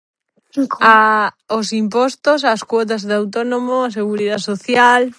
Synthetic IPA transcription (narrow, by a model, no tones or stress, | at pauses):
kaosimpɔst̪os̬askwɔt̪̬azðeawt̪̬onomoas̬eɣuɾiðasoθjal